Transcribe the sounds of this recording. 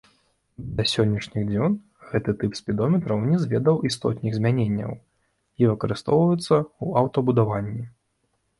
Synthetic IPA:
d̪ɐsʲɔnʲːɐʂnʲiɣd͡zʲɔn | ɣɛt̪ɨt̪ɨpsʲpʲid̪ɔmʲɛt̪ɾɐwnʲɛzvʲɛd̪ɐwʔist̪ɔ̰t̪ʲnʲiɣzʲmʲanʲenʲːɐ̰w | ivɨkɐɾɨst̪ɔwvɐjut̪sːɐuɐwt̪ɔbud̪avanʲːi

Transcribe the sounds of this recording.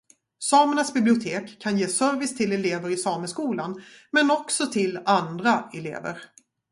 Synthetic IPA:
sɑːməɳasbɪblɪʊt̪ʰeːkʰːanjeːsœɾvɪst̪ʰɪlɛleːvəɾɪsɑːməskuːlanmɛnɔksɔt̪ʰɪland̪ɾaɛlḛːvə̰ɾ

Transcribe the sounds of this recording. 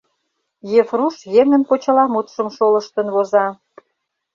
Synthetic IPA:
jefruʃjeŋə̆npot͡ɕə̆lɑmut̪ʃəmʃoləʃt̪ə̆nβozɑ

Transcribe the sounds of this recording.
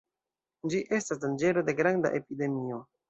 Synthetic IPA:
d͡ʒiʔe̞stasdand͡ʒe̞ɾo̞de̞ɡɾanda̰ʔe̞pide̞mio̞

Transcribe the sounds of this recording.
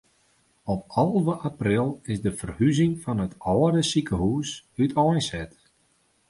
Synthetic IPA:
ɔp̚ɑlˠvəʔaprɪlˠɪsdəfərhyzɪŋfɔnətɔːədəsikəhuːsytʰɔjnsɛt

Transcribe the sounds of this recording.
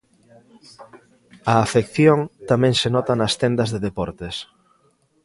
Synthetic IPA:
ɐːfekθjoŋt̪amɛ̃ŋsenɔt̪anɐst̪ɛnd̪ɐzðeðepɔɾt̪es

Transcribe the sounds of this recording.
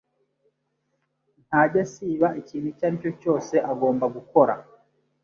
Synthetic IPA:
n̥haɟasiβaʔeciːn̤̥hucaɾico̞co̞ːse̞ʔaɡo̞ːmbaɡuko̞ɾa̰

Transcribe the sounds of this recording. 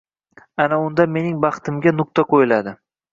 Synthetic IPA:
anaʊnd̪ame̞nɪŋbɑχt̪ʰɪmɡʲanʊk̚t̪aqʰojɪlad̪ɪ

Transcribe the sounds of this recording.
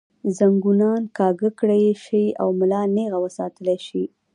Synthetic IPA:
zaŋɡunɑnkɑɡəkɽejʃəja̰wmʊlɑneɣawəsɑt̪əleʃi

